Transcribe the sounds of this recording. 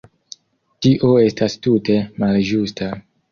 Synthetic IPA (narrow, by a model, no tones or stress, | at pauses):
tiʔo̞e̞stastute̞mald͡ʒusta